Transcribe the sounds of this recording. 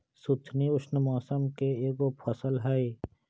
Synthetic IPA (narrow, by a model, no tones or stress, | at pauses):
sut̪ʰniʊʃnəmɔːsəmkeeːɡopʰɔsəlɦɐi